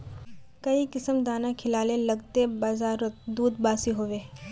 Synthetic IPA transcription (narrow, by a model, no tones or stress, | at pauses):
kɐikɪsəmd̪aːnakʰɪlaːlelɐɡt̪ebaːzaːɾod̪uːd̪baːsiɦoːʋeː